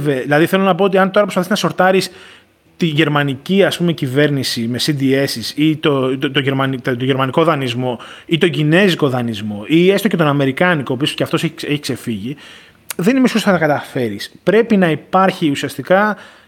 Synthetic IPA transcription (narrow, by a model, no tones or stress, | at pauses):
veðilɐðiθe̞lo̞nɐp̬oot̪̬iɐnt̪o̞ɾɐpɾopɐθiznɐso̞ɾt̪ɐɾis | t̪iʝe̞ɾmɐniciɐspume̞cive̞ɾnisime̞sid̪ie̞sisit̪ot̪oʝeɾmɐnit̪t̪oʝeɾmɐniko̞ðɐnizmo̞it̪o̞ɲɟine̞ziko̞ðɐnizmo̞ʔie̞st̪o̞ce̞t̪o̞nɐme̞ɾikɐniko̞ːpiso̥ceɐft̪o̞seçeçikse̞fiʝi | ðenimisosθɐt̪ɐkɐt̪ɐfe̞ɾispɾe̞pinɐipɐɾçiusiɐst̪ikɐ